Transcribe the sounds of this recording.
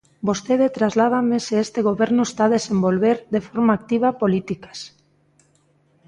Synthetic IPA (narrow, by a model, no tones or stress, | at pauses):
bost̪eðet̪ɾazlaðameseest̪eɣoβeɾnʊest̪aðesembolβeɾðefoɾmaaːk̚t̪iβ̞apolit̪ikḁs